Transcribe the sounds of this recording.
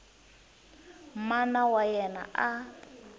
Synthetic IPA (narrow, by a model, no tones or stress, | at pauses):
m̩manawajɛna̰ʔa